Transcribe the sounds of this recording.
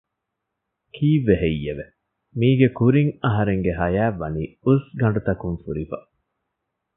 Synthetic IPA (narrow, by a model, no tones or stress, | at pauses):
kʰiːʋeɦejːeʋe | miːɡekuɾiŋɐɦɐɾeŋɡeɦɐjæːʋːɐniːusɡɐɳɖut̪ɐkuŋfuɾifɐ